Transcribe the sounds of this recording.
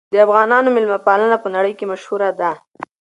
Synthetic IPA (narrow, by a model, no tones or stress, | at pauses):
d̪əafɣɑnɑnomɪlmapɑlənapənaɽəjkemaʃhuɾad̪a